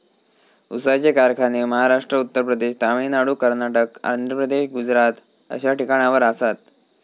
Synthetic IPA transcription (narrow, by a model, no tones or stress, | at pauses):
usad͡ʑekaɾkʰaneməɦaɾaʂʈɾəut̪ːəɾpɾəd̪eɕt̪aʋinaɽuːkəɾnaʈəka̰nd̪ʱɾəpɾəd̪eɕɡud͡zɾat̪ | ə̰ɕaʈikaɽ̃aʋəɾasat̪